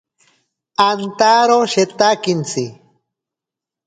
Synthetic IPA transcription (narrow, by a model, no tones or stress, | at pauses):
ant̪aɾoʃet̪akint͡si